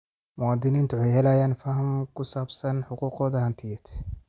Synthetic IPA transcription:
mʊwaːd̪ɪniːnt̪ʊħɛjhɛlajaːnfɐhɐmkʰʊsaːbsɐnħʊquːqɔːðɐhɐnt̪ʰɪjɛt̪

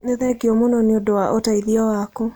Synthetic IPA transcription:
neðɛɡeɔmonɔneondowaʔotaiðiɔwako

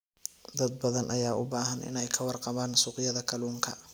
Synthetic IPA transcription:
d̪ɐd̪̚bɐðɐnʔɐjaːʊbaːɦɐnʔɪ̰nɛjkʰɐwɑrqɑβaːnsuːqɪjɐðɐkʰɐluːŋkʰɐ

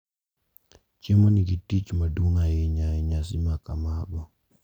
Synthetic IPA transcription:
t͡ʃemɔniɡitit͡ʃmaduŋajɛɲaɛɲas̬imakamaɡɔ

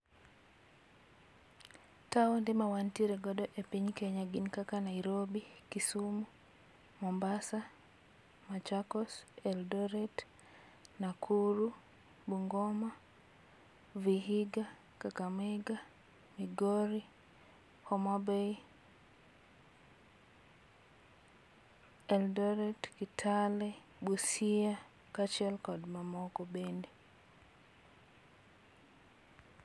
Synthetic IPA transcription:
taɔndɪmawantiɾɛɡɔdɔʔepiɲkɛɲaɡinkakanaiɾobikisumu | mɔmbasa | mat͡ʃakɔsɛldɔɾɛt | nakʰuɾu | buŋɡɔma | viɦiɡa | kakamɛɡa | miɡoɾi | hɔmabe | ɛldɔɾɛtkitʰalɛ | busia | kat͡ʃɛlkɔdmamɔkɔbendi

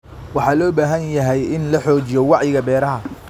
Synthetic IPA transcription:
wɑħɑːlɔːbaːɦɐnjɐɦɛjɪnlɐħɔːt͡ʃɪjɔwɑʕjɪɣɐbɛːɾɐɦɐ

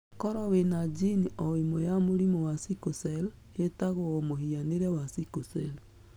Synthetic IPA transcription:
kɔɾɔwenad͡ʒiniʔɔwemojamoɾimɔwasikosɛl | etaɣoɔmohianeɾɛwasikosɛl

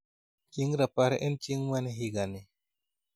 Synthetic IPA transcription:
t͡ʃiŋɾapaɾḛʔent͡ʃiŋwɛneɦiɡani

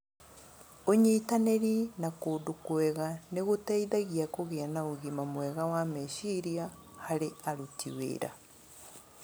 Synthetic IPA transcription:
oɲeːtaneɾinakoːdukwɛɣaneɣotɛiðaɣiakoɣeanaoɣimamwɛɣawamɛʃiɾiahaɾeaɾutʰḭwḛːɾa̰

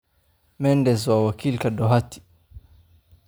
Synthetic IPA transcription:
mɛndɛzwawakʰilkaɗɔɦati̥

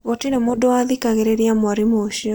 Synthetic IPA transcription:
ɣɔtinɛmodɔaðikaɣeɾeɾjamwaɾimoːʃiɔ

